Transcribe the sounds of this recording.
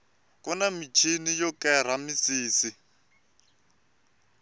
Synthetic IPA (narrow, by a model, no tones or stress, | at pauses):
kʼɔnamit͡ʃʰinijɔkɛɾ̤amisiːsi